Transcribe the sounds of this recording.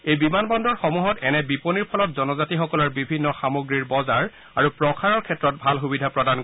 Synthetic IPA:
ejbimanbɔndɔɹxɔmuɦɔtɛnɛbiponiɹpʰɔlɔtzɔnɔzatixɔkɔlɔɹbibʱinːɔxamoɡɹiɹbɔzaɹ | aɹupɹɔkʰaɹɔɹkʰɛtːɹɔt̚bʱalxubidʱapɹɔdank

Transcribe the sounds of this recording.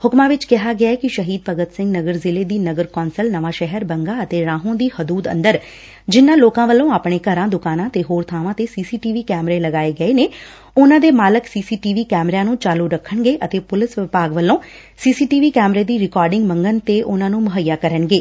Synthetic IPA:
hʊkmãːʋɪt͡ʃkɪɦaːɡɪaːɛːkɪʃəɦiːd̪̚pəɡət̪sɪ̃ŋɡnəɡəɾzɪleːd̪iːnəɡəɾkɔːnsəlnəʋaːʃɛɦəɾbəŋɡaːət̪eːɾãːɦõːd̪iːhəd̪uːd̪ə̰̃nd̪əɾ | d͡ʒɪnːãːloːkãːʋəlːõːaːpɳeːkəɾãːd̪ʊkaːnãːt̪eːɦoːɾt̪ʰaːʋãːt̪eːsiːsiːʈiːʋiːkɛːmɾeːləɡaːeːɡəeːneː | ʊnãːd̪eːmaːləksiːsiːʈiːʋiːkɛːmɾaːnũːt͡ʃaːluːɾəkʰːəɳɡeːʔət̪eːpʊlɪsʋɪpaːɡʋəlːõː | siːsiːʈiːʋiːkɛːmɾeːd̪iːɾɪkɔːɾɖɪŋɡməŋɡənt̪eːʔʊnãːnũːmʊɦəjːaːkəɾənɡeː

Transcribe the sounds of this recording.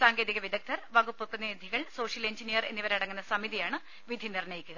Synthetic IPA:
saːŋɡe̞ːdðiɣɐʋid̪ɐk̚t̪ʰɐrʋɐɡupːɨprɐðid̪ʱiɣɐɭso̞ːʂjɐle̞ɲd͡ʑinijɐre̞̰nːiʋɐɾɐɽɐŋːunːɐsɐmiðijaːɳɨ | ʋid̪ʱinirnɐjikʲːuɣɐ

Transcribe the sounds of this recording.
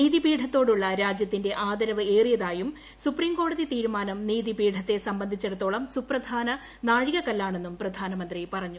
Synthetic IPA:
niːðibiːɖʰʱɐt̪ːo̞ːɽuɭːɐɾaːd͡ʑjɐt̪ːinde̞ʔaːd̪ɐɾɐʋɨe̞ːrijɐðaːjum | supriːmko̞ːɽɐðit̪iːɾumaːnɐmniːðibiːɖʰʱɐt̪ːe̞sɐmbɐnd̪ʱit͡ɕːeɽut̪ːo̞ːɭɐmsuprɐd̪ʱaːnɐ | naːɻiɣɐkɐlːaːɳe̞nːumprɐd̪ʱaːnɐmɐnd̪ripɐrɐɲːu

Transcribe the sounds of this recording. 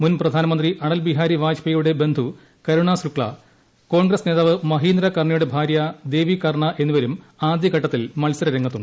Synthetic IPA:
munprɐd̪ʱaːnɐmɐnd̪riʔɐɳɐlbiɦaːɾiʋaːd͡ʑpɐjuɽe̞be̞nd̪ʱu | kɐɾuɳasɾukɭɐ̰ | ko̞ːɳɡɾɐsne̞ːðaːʋɨmɐɦiːnd̪ɾɐkɐrɳɐjuɽe̞bʱaːɾjɐd̪e̞ːʋikɐrɳɐʔe̞nːuʋɐɾum | aːd̪jɐɡɐʈːɐt̪ːilmɐlsɐɾɐɾɐŋːɐt̪ːuɳɖɨ

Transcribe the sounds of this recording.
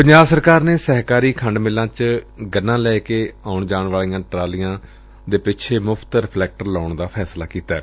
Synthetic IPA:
pəɲd͡ʒaːbsəɾkaːɾneːsɛːɦkaːɾiːkʰəɳɖmɪlãːt͡ʃɡənːãːlɛːkeːaːʊɳd͡ʒaːɳʋaːliːjãːʈɾaːlĩjãː | d̪eːpɪt͡ʃʰeːmʊpʰt̪ɾɪpʰlɛːk̚ʈəɾlaːɳd̪aːpʰɛːslaːkiːt̪aɛː

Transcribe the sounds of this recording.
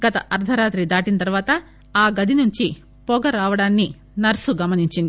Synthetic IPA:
ɡɐt̪ɐʔɐɾd̪ʱɐɾaːt̪ɾid̪aːʈinɐt̪ɐɾʋaːt̪ɐ | aːɡɐd̪ʱinuɲt͡ʃi | pɔɡɐɾaːʋɐɽaːnːi | nɐɾsuɡɐmɐniɲt͡ʃind̪i

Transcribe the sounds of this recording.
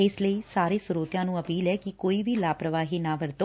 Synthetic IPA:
eːsləisaːɾisʊɾoːt̪jãnũəpiːlɛkikoːiʋilaːpɾəʋaːɦinaʋəɾt̪o

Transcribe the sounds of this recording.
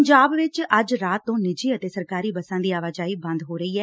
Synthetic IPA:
ɲd͡ʒaːbʋɪt͡ʃəd͡ʒɾaːt̪ːõːnɪd͡ʒiːət̪eːsəɾkaːɾiːbəsãːd̪iːaːʋaːd͡ʒaːiːbə̃nd̪ɦoːɾəiːɛː

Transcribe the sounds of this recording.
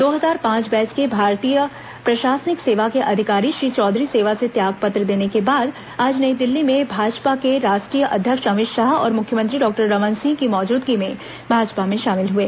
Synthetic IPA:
d̪oːɦɐzaːɾpãːt͡ʃbɛ̃ːt͡ʃkebʱaːɾt̪ijə | pɾɐʃaːsnɪkseːʋakeʔɐd̪ʱɪkaːɾiʃɾiːt͡ʃɔːd̪ʱɾiseːʋaset̪jaːɡpɐt̪ɾəd̪eːnekebaːd̪ | aːd͡ʒnɐid̪ɪlːimẽbʱaːd͡ʒpakeɾaːʃʈɾijəʔɐd̪ʱjəkʃɐmɪt̪ʃaɦɔ̰ːɾmʊkʰjəmə̃nt̪ɾiɖɔːk̚ʈəɾːɐʋənsɪ̃ŋɡkimɔːd͡ʒuːd̪ɡimẽ | bʱaːd͡ʒpamẽʃaːmɪlɦueː

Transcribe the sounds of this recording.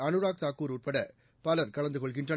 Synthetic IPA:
ɐnɯɾaːk̚t̪aːkuːɾurpɐɽɐ | pɐlɐɾkɐɭɐnd̪ɯɣɔɭkɪɳrɐ

